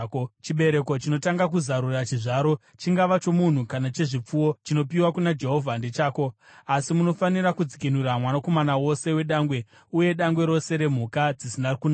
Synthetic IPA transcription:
t͡ʃiɓe̞ɾe̞ko̞t͡ʃino̞taŋɡakuzaɾurat͡ʃiʐaːɾo̞ | t͡ʃiŋɡaʋat͡ʃo̞mun̤ukanat͡ʃe̞ʐip͡fuwo̞t͡ʃino̞piwakunad͡ʒe̞ɦo̞vʱandet͡ʃaːko̞ | asimuno̞fanirakud͡zikinuɾamwanakomanawo̞se̞we̞ɗaŋɡwe̞ | uje̞ɗaŋɡwe̞ɾo̞se̞ɾe̞m̤ukad͡zisinakuna

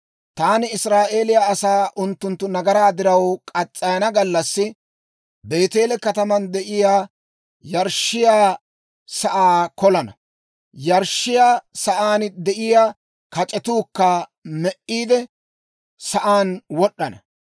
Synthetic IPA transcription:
t̪aːnɪɪsɾaːʔe̞ːlɪjaːsaːʔʊnt̪ːʊnt̪ːʊnɐɡɐɾaːd̪ɪɾɐwkʼɐt͡sʼːɐjɐnɐɡɐlːɐsːɪ | be̞ːt̪e̞ːlɛkɐt̪ɐmɐnd̪ɛʔɪjaː | jɐɾʃɪjaː | sɐʔaːkɔlɐnɐ̰ | jɐɾʃːɪjaːsɐʔaːnd̪ɛʔɪjaː | kɐt͡ʃʼɛt̪uːkːamɛʔiːd̪ɛ | sɐʔaːnwɔɗːɐnɐ

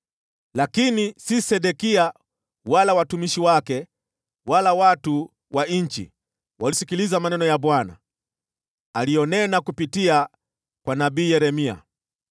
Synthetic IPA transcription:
lakinisisɛɗɛkia | walawatumiʃiwakɛ | walawatu | wʔaɲ̩t͡ʃḭ | walisikilizamanɛnɔjabwana̰ | aliɔnɛnakupitia | kwanabiːjɛɾɛmia̰

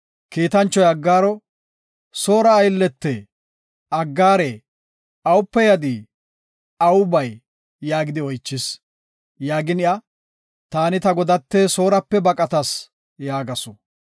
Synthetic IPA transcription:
kiːt̪ɐnt͡ʃːɔjɐɡːaːɾɔ | so̞ːɾɐːjlːɛt̪ːɛ | ɐɡːaːɾe | ɐwʊpːɛjɐd̪i | ɐwʊbɐjː | aːɡɪd̪ɪɔjt͡ʃːɪs | jaːɡɪnɪɐ | t̪aːnɪt̪ɐɡɔd̪ɐt̪ːeso̞ːɾɐpːɛbɐkʼɐt̪ɐs | jaːɡɐsɔ

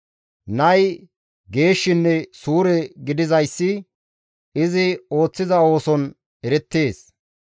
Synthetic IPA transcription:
nɐj | ɡe̞ːʃːɪnːɛsuːɾɛɡɪd̪ɪzɐjsːɪ | ɪzɪo̞ːt͡sːɪzɐo̞ːsɔn | ɛɾɛt̪ːe̞ːs

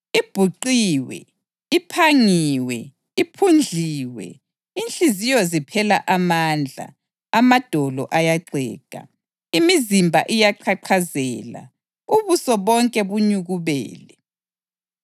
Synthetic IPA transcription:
ib̥ʱuǃiwɛ̰ | ipʰaŋiwɛ | ipʰund͡ɮʱiːwɛ̰ | inɬʼizijɔzipʰɛlaʔamand͡ɮʱa̰ | amad̥ʱɔlɔʔajaǀɛ̰ːka̰ | imizimbʱa̰ʔijaǃʰaǃʰazɛla̰ | uβusɔβɔŋkʼɛβuɲuɣuβɛ̰ːlɛ

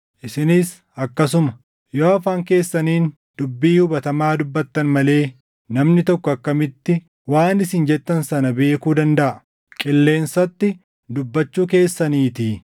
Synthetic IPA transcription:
ʔɪsɪnɪs | ɐkːɐs̬ʊmɐ | joːɐfaːŋke̞ːsːɐniːn | d̪̥ʊbːiːhʊbɐt̪ɐmaːd̪ʊbːɐt̪ːɐnmɐle̞ː | nɐmnɪt̪ɔkːɔɐkːɐmɪt̪ːɪ | waːnɪsɪnd͡ʒɛt̪ːɐnsɐnɐbe̞ːkuːd̪ɐnd̪ɐʔɐ | kʼɪlːe̞ːnsɐt̪ːɪ | d̪ʊbːɐt͡ʃːuːke̞ːsːɐniːt̪iː

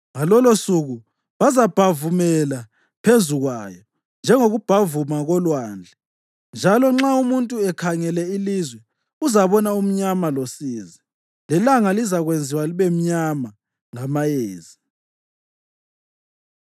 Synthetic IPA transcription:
ŋalɔlosuɣu | βazab̥ʱavumɛla | pʰezuɣwajɔ | nd͡ʒʱɛŋoɣub̥ʱavumaɣɔlwaːnd͡ɮʱɛ | nd͡ʒʱalɔŋ͡ǁaumuntʼuɛkʰaŋɛlɛilizwɛ | uzaβɔnaum̩ɲamalosiːzɛ | lɛlaŋalizaɣwend͡zʱiwaliβɛm̩ɲama | ŋamajeːzi

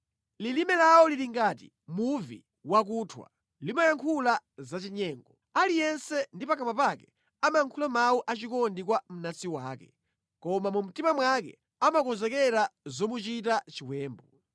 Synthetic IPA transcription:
lilimɛlawɔliɾiŋɡaːt̬ḭ | muvḭ | wak̬utʰwa̰ | limajaŋkʰulazat͡ʃiɲɛːŋɡɔ | alijɛnsɛndipakamapakɛ | amajaŋkʰulamauʔat͡ʃikɔndikwam̩nasiwaːkɛ̥ | kɔmamum̩timamwakɛ̰ | amakɔzɛkɛɾazɔmut͡ʃit̬at͡ʃiwɛːmbɔ

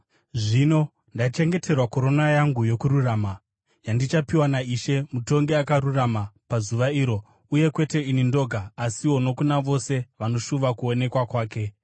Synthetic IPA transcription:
ʐino̞ | ndait͡ʃe̞ŋɡe̞tʰe̞rwako̞ɾo̞najaŋɡujo̞kuɾurama | jandit͡ʃapiwanaiʃe̞muto̞ŋɡe̞akaɾuramapazuʋaiːɾo̞ | uje̞kwe̞te̞inindo̞ɡʱaːsiwo̞no̞kunaʋo̞se̞ʋano̞ʃuʋakuone̞kwakwaːke̞

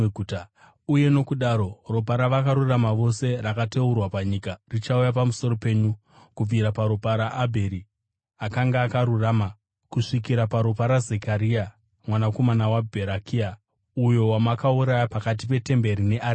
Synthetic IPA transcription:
ut | uje̞no̞kuɗaɾo̞rop̬aɾaʋakaɾuramaʋo̞se̞rakateurwapaɲikarit͡ʃaujapamuso̞ro̞pe̞ːɲu | kub͡viɾapaɾopaɾaʔːbʱe̞ɾi | akaŋɡaːkaɾurama | kuʂik̬iɾapaɾopaɾaze̞kaɾia | mwanako̞manawabʱe̞ɾakʰia | ujo̞wamakauɾajapakat̬ipe̞te̞mbe̞ɾine̞ʔa

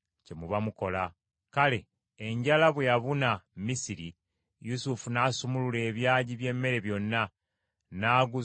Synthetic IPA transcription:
ce̞muβamuko̞la | kale̞ː | ɲɟalaβwejaβunamisiɾi | jusufunaːsumulule̞ːβjaːɟiβje̞mːe̞ɾe̞βjo̞nːa | naːɡu

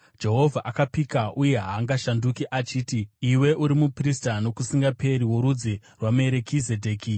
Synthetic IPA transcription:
d͡ʒe̞ɦo̞vʱaʔakapikaʔuje̞ɦaːŋɡaʃandukiʔat͡ʃiːtiiwe̞ʔuɾimupristano̞kusiŋɡape̞ɾiwo̞ɾud͡zirwamue̞ɾe̞kʰize̞dʱe̞ːki

